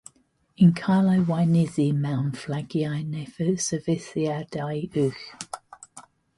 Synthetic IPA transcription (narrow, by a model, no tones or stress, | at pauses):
ɪ̃nkʰaːləwaɪnɪzimãʊnflaɡ̥iaɪnɛfəsəvɪsiad̥aɪʉx